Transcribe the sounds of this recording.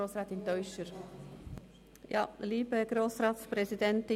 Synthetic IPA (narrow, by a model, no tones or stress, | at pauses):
oːsɾɛːt̪ɪntœʏʃəɾ | jɑ̰ːliːbəɡ̥ɾoːsɾɑːt̪spɾɛsidɛntɪ